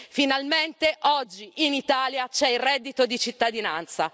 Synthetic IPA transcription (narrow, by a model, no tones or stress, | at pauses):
finalment̪eʔɔd͡ʒːiʔinit̪aːljat͡ʃɛilrɛd̪ːit̪od̪it͡ʃit̪ːad̪ina̰nt̪sa̰